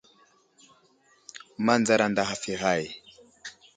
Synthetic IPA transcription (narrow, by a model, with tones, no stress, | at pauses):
ma˦nd͡za˨ɾa˨nda˨ɦa˨fi˨ɣa˦˨j